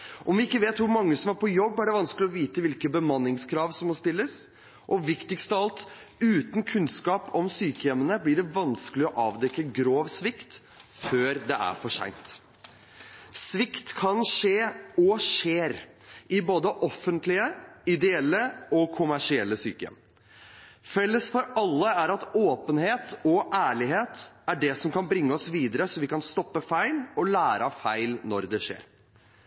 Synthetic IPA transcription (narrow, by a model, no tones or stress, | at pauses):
ʔɔmʋɪɪkːəʋeːt̪ʋʊɾmɑŋːəsɔmæɾpʰɔjɔbːæɖɛʋɑnskəlɪɔʋiːt̪əʋɪlkəbəmɑnːɪŋskʰɾɑːʋsɔmːɔst̪ɪlːəs | ʔɔʋɪkt̪ɪɡst̪ɑlt̪ʉːt̪n̩kʰʉnskɑːpɔmsyːkəjɛmːənəblɪɖɛʋɑnskəlɪɔʔɑːʋd̪ɛkːəɡɾoːʋsʋɪkt̪ | føːɾd̪ɛʔæ̰ɾfɔʂæ̰ɪnt̪ | sʋɪkt̪kʰɑnʂeːɔʂeːɾ | ɪboːd̪əʔɔfːənt̪lɪəɪd̪ɛɛlːəɔkʰʊmæʂɪɛlːəsyːkəɛ̰m | fɛlːəsfɔɾɑlːəæɾɑt̪oːpənheːt̪ɔʔæːɭɪɦeːt̪æɖɛsɔmkɑnbɾɪŋːəɔsʋiːd̪əɾəsɔʋɪkɑnst̪ɔpːəfæɪlɔlæːɾɑfæɪlnɔɾd̪ɛʂḛːɾ